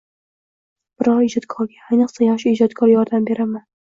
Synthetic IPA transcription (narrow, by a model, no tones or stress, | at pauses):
b̥ɪɾɒɾɪd͡ʒɒt̪kʰɒɾɡʲaːjnɨqsajaχʃʊɪd͡ʒɒt̪kʰɒɾjɒɾd̪ambe̞ɾaman